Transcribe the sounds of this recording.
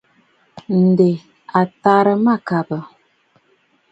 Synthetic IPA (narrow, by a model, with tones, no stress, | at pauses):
n̩˨de˨ | a˨ta˦ɾə˦ma˦˨ka˨bə˨